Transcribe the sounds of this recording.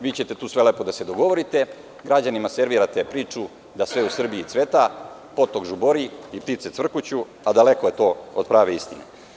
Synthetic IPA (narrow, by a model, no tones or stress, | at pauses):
ʋiːt͡ɕe̞t̪e̞t̪uːsʋe̞leːpo̞d̪ase̞d̪o̞ɡo̞ʋoɾit̪e̞ | ɡɾad͡ʑanimase̞ɾʋiɾat̪epɾiːt͡ʃu | d̪asʋe̞usr̩biit̪sʋe̞t̪apo̞t̪oɡʒubo̞ɾiip̚t̪it̪set̪ʋr̩kut͡ɕu | ad̪ale̞koje̞t̪o̞od̪̚pɾaːʋe̞ist̪inḛ